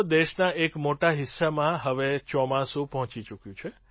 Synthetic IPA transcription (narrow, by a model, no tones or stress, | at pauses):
d̪eʃnaʔekmoʈaɦɪsːamãɦəʋet͡ʃɔmãsũpɔɦɔ̃t͡ʃit͡ʃukjũt͡ʃʰe